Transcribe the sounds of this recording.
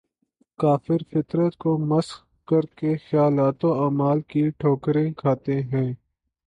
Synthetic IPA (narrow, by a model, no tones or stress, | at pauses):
kaːfɪɾfɪt̪ɾət̪komɐs | kɐɾkexjaːlaːt̪oaːmaːlkiʈʰoːkɾẽkʰaːt̪eɦɛ̃ː